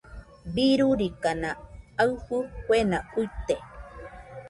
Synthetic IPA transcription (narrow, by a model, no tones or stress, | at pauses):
biɾuɾikanaawhukwenaujt̪e